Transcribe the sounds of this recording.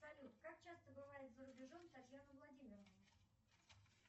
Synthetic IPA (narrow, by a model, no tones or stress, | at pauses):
sɐlʲut̪kak̚t͡ɕast̪əbɨvaɾʲit̪zəɾʊbʲɪʐomt̪ɐt̪ʲjanəvlˠɐdʲimʲɪrəvə